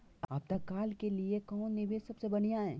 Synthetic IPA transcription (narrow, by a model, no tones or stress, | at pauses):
ɐp̚t̪ɐkːaːlkeliekɔ̃ːnːɪbesɐbsebɐɽijãɦɛ̃ː